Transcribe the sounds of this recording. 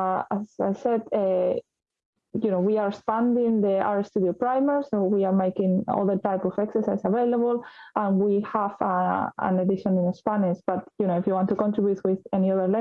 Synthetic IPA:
asajsɛd̪ɛ | junowiaɹspãnd̪ĩŋd̪əa̰ɹst̪udiopɾajməɹsowiaɹmejkĩŋɔ̰ðəɹt̪ajpɔfɛksəɹsajsavejlaβolãnwihavaã̰nad̪iʃɔ̃nĩnespaniʃb̥at̪junoifjuwɑ̃nt̪ukɔ̃nt̪ɾibjut̪̚wiðɛniɔðəɾlɛ̃

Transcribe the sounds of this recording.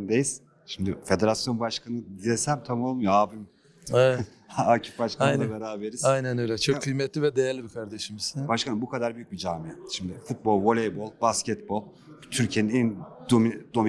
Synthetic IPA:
d̪ejiz̥ | ʃimd̪ɪfe̞d̪e̞ɾasjo̞nbaʃkʰanɯd̪ilesæmt̪ʰamo̞lˠmujoaːbim | eɛt̪ | aːcʰi̥pbaʃkajnabe̞ɾaːbe̞ɾiz̥ajnænøjlʲɛt͡ʃʰokkʰːɯjmɛt̪lʲivɛd̪ejæɾlʲibikʰaɾd̪eʃimizbaʃkʰanɯmbukʰad̪aɾbyjyc̚bid͡ʒaːmiɛʃimd̪ɪfut̪̚bo̞lˠvo̞lʲejbo̞lˠbascɛt̪bo̞lˠ | t̪ʰyɾcʰijeninɛnd̪omid̪o̞m

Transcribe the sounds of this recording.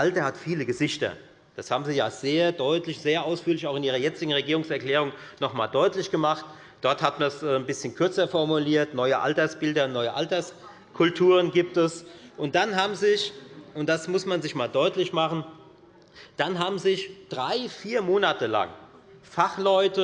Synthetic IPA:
ʔaltɐhatfiːləɡəzɪçtɐ̰ | d̥ashaːbm̩ziːjaːz̥eːɐdɔʏtlɪçz̥eːɐʔaʊsfyːɐlɪçaʊxɪnʔiːʁɐjɛt͡sɪɡŋ̩ʁeɡiːʁʊŋsɛɐklɛːʁ̞ʊŋnɔχmaːldɔʏtlɪçɡ̥əmaχt | d̥ɔɐthatmansʔɛːnbɪsçənkʰʏɐt͡sɐfɔɐmuliːɐtnɔʏəʔa̰ltɐsb̥ɪldɐnɔʏəʔaltɐs | kʰʊltʰuːʁ̞ənɡiːp̚tɛsʔʊnt̚d̥anɦaːbm̩zɪçʔʊntd̥asmʊsmanzɪçmaːldɔʏtlɪçmaχn̩ | d̥anɦaːbm̩zɪçd̥ʁaɪfiːɐmoːnatəla̰ŋ | faχlɔʏtə

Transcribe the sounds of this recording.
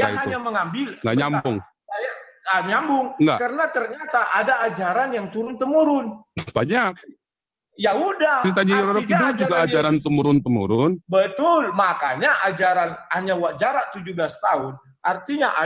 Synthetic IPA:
jaɦaɲaməŋambɪlŋɡa̰ɲampʊŋ | ŋajaŋɡaʔɲambʊŋŋɡa̰kəɾənat̪ərɲat̪aʔadaːd͡ʒaɾanjaŋt̪uɾʊnt̪əmuɾʊnb̥aɲak̚ | jaɦudaɾit̪ad͡ʒiɾaɾɔkiadud͡ʒuɡaad͡ʒaɾant̪əmuɾʊnt̪əmṵɾʊnbət̪ʊlmakaɲaʔad͡ʒaɾanhaɲawaʔ̚d͡ʒaɾaʔt̪ud͡ʒuhbəlast̪aʊn | ʔart̪iɲaʔa̰

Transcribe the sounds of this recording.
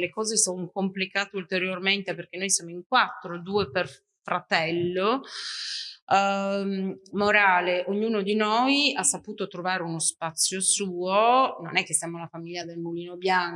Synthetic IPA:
lekɔːzesonokomplikaːt̪eult̪eɾjorment̪eperk̟enːojsjaːmoiŋkwat̪ːɾod̪uːeper | fɾat̪ɛlːo | mmoɾaːleʔoɲːuːnod̪inojasːapuːt̪ot̪ɾovaːɾeunospat̪sːjosuːono̰nɛk̟ːesːijaːmolafamilʎːad̪elmuliːnobjaŋ

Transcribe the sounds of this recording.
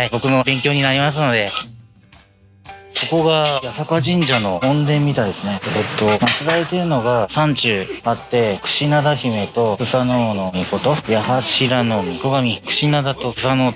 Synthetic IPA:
aibo̞kɯ̟no̞bẽ̞ŋkʲo̞ːɲ̟inaɾʲimas̬ɨno̞d̪e̞ | ko̞ko̞ɡajasakaʑĩɲ̟d͡ʑano̞õnd̪ẽ̞mːʲit̪aid̪esɨne̞et̪ːo̞mat͡sɨɾaɾet̪e̞ɾɯ̟no̞ɡasãɲt͡ɕɨːat̪ːe̞kɯ̟̥ɕinad̪açime̞t̪o̞ɸɯ̟sano̞ːno̞mʲiko̞t̪o̞jahaɕiɾano̞mʲiko̞ɡamʲikɯ̟̥ɕinad̪at̪o̞ɯsano̞ː

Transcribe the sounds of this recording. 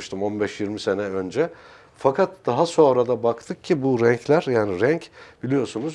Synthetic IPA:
ʃt̪ʰɯmo̞nbɛʃjiɾmise̞nɛø̞nd͡ʒɛ | fakʰat̪d̪̥aɦaso̞nɾad̪abakt̪ʰɯk̚cʰibuɾɛɲclʲæɾjaːniɾɛɲcb̥ilʲijo̞sunuz

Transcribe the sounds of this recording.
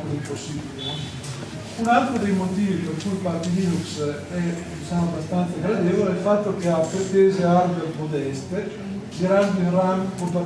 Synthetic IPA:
kodimposːiːbile | unalt̪ɾod̪ejmot̪iːvikoɾkujpaɾt̪ilinuks | ɛd̪it͡ʃamoabast̪ant̪saɡɾad̪eːvoleilfat̪ːok̟eapɾet̪eːzearberpɾod̪ɛst̪e | d͡ʒiɾand̪oinramkont̪o

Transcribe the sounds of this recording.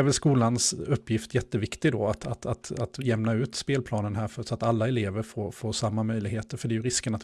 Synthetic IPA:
vɛlskuːlansɵpːjɪft̪jɛt̪ːəvɪkt̪ɪɡd̪ɔat̪ʰat̪ʰat̪at̪lɛmnaʉ̟ːt̪speːlpʰlɑːnənɦæːɾfœsɔat̪alːaɛleːvəɾfoːɾfoːɾʂamːamœjlɪɡheːt̪əɾfœɖɛjɵɾɪskənat̪

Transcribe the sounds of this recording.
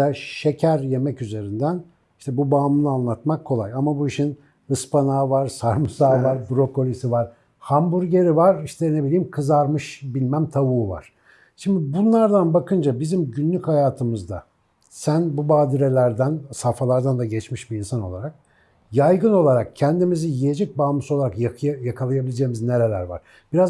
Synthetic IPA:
ɛʃe̞cʰæɾje̞mɛcyze̞ɾind̪æn | iʃt̪ʰɛbubaːmɯnˠɯanlˠat̪makʰːo̞lˠajamabuiʃin | ɯspʰanaːvaɾ̥saɾmɯsaːvaɾbɾo̞ko̞lʲisivaɾ̥ | hambuɾɟe̞ɾivaɾiʃt̪ʰɛnebilʲiːimkʰɯzaɾmɯʃbilʲmæmt̪ʰavuːva̰ɾ̥ | ʃimd̪b̪ibunlˠaɾd̪anbakʰɯnd͡ʒabizimɟynlːʲychajaːt̪ʰɯmɯzd̪a̰ | sænbubaːd̪iɾe̞lʲæɾd̪ænsafalˠaɾd̪and̪aɟɛt͡ʃmiʃbiinsano̞lˠaɾak̚ | jajɡɯno̞lˠaɾak̚cʰɛnd̪imizijijed͡ʒɛc̚baːmɯsolˠaɾakajakʰalˠajabilʲed͡ʒeːimizne̞ɾe̞lʲæɾva̰ɾ̥ | b̥iɾaz

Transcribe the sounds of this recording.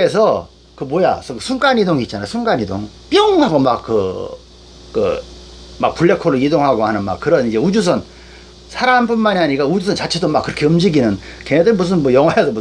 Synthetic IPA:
kɯes̬ʰʌ | kɯmwoja̰sʰʌksʰuŋk͈aɲidoŋit̚t͡ɕ͈anajosʰuŋk͈aɲido̰ŋp͈jʌŋhaɡomakːɯ̰ | kɯ̰ | ma̰k̚puɭːekʰoɾɯidoŋɦaɡohanɯnma̰kkɯɾʌnid͡ʑe̞ud͡ʑus̬ʰʌn | sʰaɾanpunmaɲiaɲikaud͡ʑusʰʌnt͡ɕat͡ɕʰe̞domak͈ːɯɾʌkʰe̞ɯmd͡ʑiɡinɯnkeŋedɯɡimus̬ʰɯnmʌjʌŋwaes̬ʰʌmu

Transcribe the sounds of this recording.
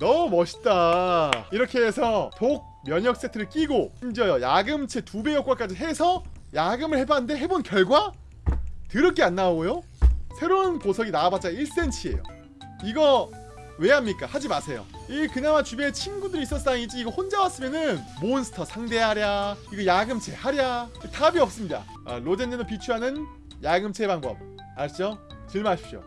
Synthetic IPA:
nʌmʌɕʰi̥t͈a | iɾʌkʰe̞ːsʰʌtok̚mjʌɲʌk̚s͈etʰɯɾɯɭk͈iɡoɕimd͡ʑʌjojaɡɯmt͡ɕʰe̞tube̞jʌk͈wak͈ad͡ʑiɦe̞sʰʌ | jaɡɯmɯɭhe̞banɯnde̞ɦe̞bonkjʌɭɡwa | tɯɾʌk͈ʰeanːaojo | sʰe̞ɾonposʰʌɡinabat͡ɕ͈aiɭs͈e̞nt͡ɕʰie̞̰jo̰ | iɡʌ | we̞ɦamɲik͈ahad͡ʑimasʰe̞jo̰iekɯnamat͡ɕubet͡ɕʰinɡudɯɾis͈ʌs͈aŋid͡ʑiːɡʌhond͡ʑawas͈ɯmjʌnɯnmonsʰɯ̥tʰʌsʰaŋde̞ɦaɾjaiɡʌjaɡɯmt͡ɕʰe̞haɾjatʰabiʌp̚s͈ɯmɲida̰ | a̰lod͡ʑenʌdopit͡ɕʰuɦanɯn | jaɡɯmt͡ɕʰe̞baŋbʌ̰p̚ | at͡ɕ͈o | t͡ɕɯɭmaɕʰi̥p̚ɕ͈o̰

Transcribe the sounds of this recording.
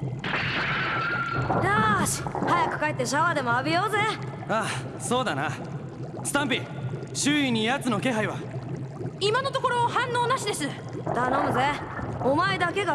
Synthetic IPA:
jaɕi̥hajakɯ̟̥kaet̪ːe̞ɕ̬aβad̪e̞mo̞abʲijoːze | a | so̞ːd̪ana̰ | sɨ̥t̪ãmpʲi | ɕɨːiɲ̟ːijat͡sɨno̞ke̞ɦaiβa | imano̞t̪o̞ko̞ɾo̞ːhãnːo̞ːnaɕid̪e̞sɨ | d̪̥anomɯze | o̞mae̞d̪ake̞ɡa

